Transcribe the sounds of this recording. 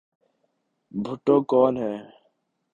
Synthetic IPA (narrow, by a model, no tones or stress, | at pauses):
bʱʊʈːoːkɔːnɦɛː